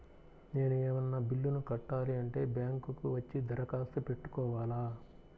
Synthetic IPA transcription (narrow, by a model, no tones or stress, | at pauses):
ne̞ːnueːmɐnːɐbilːunukɐʈːaːliɐɳʈe̞ːbjaːŋkukuʋɐt͡ʃːid̪ʱɐɾɐkaːst̪ɐpe̞ʈːu̥kɔːʋaːlaː